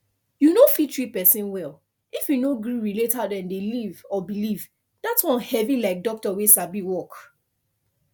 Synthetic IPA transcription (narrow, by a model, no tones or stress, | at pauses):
junofitɹipɛsĩnwɛl | ifjunoɡɹiɹiletadɛ̃ndelivɔbiliv | datwɔ̃nhɛvilaɪk̚dɔk̚tɔwesabiwɔk